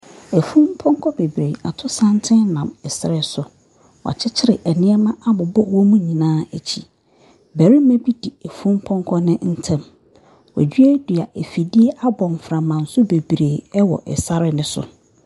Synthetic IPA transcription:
ɛ˨fũ˦m˦pʰɔ̃˦ŋkʰɔ˦be˨bɾe˨a˨tʰʊ˦sã˦ntʰɪ̃˦nã˨mɛ˨sɾɛ˦sʊ˨ | wa̰˨t͡ɕʰɪ˦t͡ɕʰɪ˦ɾɪ˨ʔɛ˨nɪ̃˦ɛ˦mã˦a˦bʊ˨bɔ˦wɔ˦mũ˦ɲĩ˨nãː˦æ˨t͡ɕʰi˨ | bæ˨ɾi˦mɛ̃˦bi˦di˨æ˨fũ˦m˦pʰɔ̃˦ŋkʰɔ˦nɪ̃˦n̩˦tʰɛ̃˦m | wɔ̰˨d͡ʑɥæ˦du˨a˨ʔɛ˨fi˨di˦e˦ʔa˦bɔ̃˨m˨fɾã˨mã˨n̩˨˦sʊ˦be˨bɾeː˨ɛ˦wɔ̰˨ʔɛ̰˨sa˦ɾɪ˦nɪ̃˦sʊ̰˨

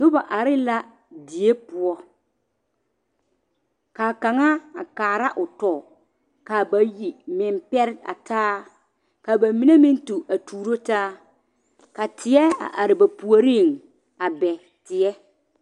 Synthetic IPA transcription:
nʊ˦ba˨ʔa˨ɾɪ˦la˦ | di˨e˦pʊ˨˦ɔ˦ | kaː˨ka˨ŋa˦a˨kaː˨ɾa˦ʔʊ˨tɔː˨ | ka˨ba˨ji˨mɪ˨mpɛ˦ɾɪ˦a̰˨taː˦ | ka˨ba˨mi˨ne˦mɪ˦ntu˨a˨tʰuː˨ɾo˦taː˦ | ka˨tʰɪ˨ɛ˦a̰˨ʔa˨ɾɪ˨ba˨pu˨o˨ɾi˦˨ŋ | a˨bɛ˨ | tɪ˨ɛ˦

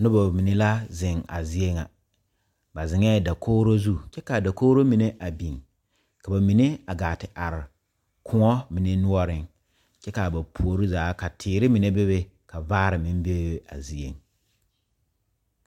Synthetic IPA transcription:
nʊ˦ba˨mi˨ne˦la˦zɪ˨ŋa̰˨zi˦e˦ŋa̰˨ | ba˨zɪ˨ŋɛ˦da˨kʰoː˦ɾo˦zu˦t͡ʃɛ˦ka˨da˨koː˦ɾo˦mi˨ne˦ʔa˨bi˨ŋ | ka˨ba˨mi˨ne˦a˨ɡaː˨tɪ˨ʔa˨ɾɪ˨ | kʰʊ˦ŋɔ˦mi˨ne˦nʊ˦ɔ˦ɾɪ˨ŋ | t͡ʃɛ˦ka˨ba˨pʰu˨o˨ɾi˦zaː˨˦ka˨tʰɪː˨ɾɪ˦mi˨ne˦be˦be˦ka˨vaː˦ɾɪ˨mɪ˦m˦be˦e˦a̰˨zi˦e˨ŋ

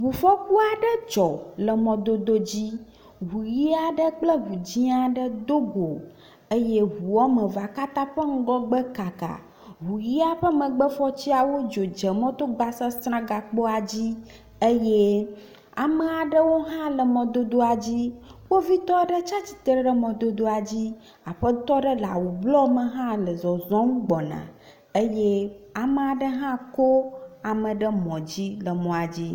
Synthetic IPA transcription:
ɦu˨fɔ˦ku˦a˨ɖə˦d͡ʒɔ˨lə˨mɔ̃˨d̪o˦d̪o˦d͡ʑi˦ | ɦu˨ji˦a˨ɖə˦k͡plə˦ɦu˨d͡ʑĩ˦a˨ɖə˦d̪o˦ɡo˨ | ə˦jɛ˦ɦu˨ɔ˦mə̃˨va˨ka˦t̪ã˦ɸə˦ŋ̩˦ɡɔ˦ɡ͡bə˦ka˨ka̰˨ | ɦu˨ji˦a˨ɸə˦mə̃˨ɡ͡bə˦fɔ˦t͡ɕi˦a˨wo˦d͡ʒo˨d͡ʒə˨mɔ̃˦t̪o˦ɡ͡ba˨sə˦st̪ɾã˦ɡa˨k͡po˦a˨d͡ʑi˦ | ə˦jɛ˦ | a̰˨mə˨a˨ɖə˦wo˦ɦã˦lə˨mɔ̃˨d̪o˦d̪o˦a˨d͡ʑi˦wo˦vi˦t̪ɔ˦ɖə˦t͡ʃa˦t͡ɕi̥˨t̪ɾə˦ɖə˦mɔ̃˨d̪o˦d̪o˦a˨d͡ʑi˦ | a˨ɸə˦t̪ɔ˦ɖə˦la˨wu˨blɔ˦mə̃˨ɦã˦lə˨zɔ˨zɔ̃˦ŋũ˦ɡ͡bɔ˨nã̰˨ | ə˦jɛ˦a˨mə̃˨a˨ɖə˦ɦã˦ko˦a˨mə̃˨ɖə˦mɔ̃˨d͡ʑi˦lə˨mɔ̃˨a˨d͡ʑi˦

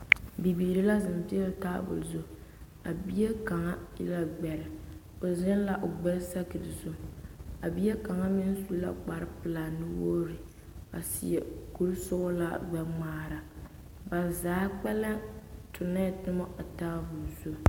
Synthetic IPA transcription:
bi˨biː˨ɾi˦la˦zɪ˨m˨pi˦a˦˨taː˦bʊ̰˨lzo˦ | a˨bi˦je˦ka˨ŋa˦ḭ˦la˦ɡ͡bɛ˨ɾɪ˨ | o˨zɪ˦n˦la˦ʔo˨ɡ͡bɛ˦sa˦kɨ˨dɨ˨zʊ˦a˨bi˦je˦ka˨ŋa˦mɪ˦n˦su˦la̰˦k͡pa˨ɾɨ˦pɨ˨la˨nɨ˦woː˦ɾɨ˨ | a̰˨sḭ˨jɛ̰˨ku˦lsʊ˦la˦ɡ͡bɛ˨ŋ͡maː˦ɾa˨ | ba˨zaː˨˦k͡pɛ˦la˦tʰʊ˨nɛ˦˨tɨ˦mɔ˦a˨taː˦bʊ˨lzu˦

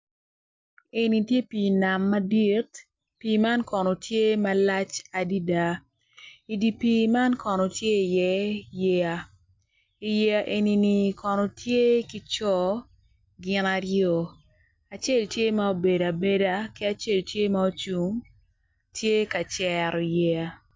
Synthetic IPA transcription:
e˨ni˨tje˦pi˨na˨mːa˦di˦t | pi˨ma˦nkɔ˨nɔ˨tʰje˦ma˦la˦t͡ʃa˨di˦da˦ | i˨di˨pi˨ma˦nkɔ˨nɔ˨tje˦i˨jɛ˨˦je˨a˨ | i˨je˨a˨ʔe˨ni˨ni˨kʰɔ˨nɔ˨tʰje˦ki˦t͡ʃɔ˦ | ɡɪ˨˦na˨ɾjɔ˨ | a˨t͡ʃe˦˨ltje˦ma˦o˨be˨da˨be˦da˦ki˦a˨t͡ʃe˦˨ltje˦ma˦o˦t͡ʃu˨ŋ | tʰje˦ka˨t͡ʃɛ˨ɾɔ˨i˨jɛ˨a˨

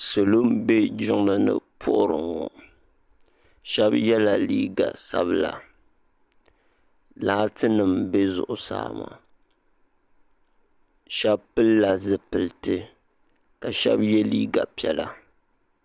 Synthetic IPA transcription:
so˨lo˦mbe˦d͡ʒɪ˦ŋma˦nɨ̰˦pʰʊ˦ʔʊ˦ɾɨ˨ŋɔ˨ | ʃɛ˦bjɛ˦la˨liː˦ɡa̰˨sa̰˦bla̰˨ | laː˦tɨ˦nɨ˨mbe˦zʊ̰˨ʔʊ˨sa̰ː˦˨ma̰˨ | ʃɛ˦bpɨ˦lːa˨zɨ˨pɨ˨ltɨ˦ | ka˨ʃɛ̰˦bjɛ˦liː˦ɡa˨pi˨˦ɛ˨˦la˦

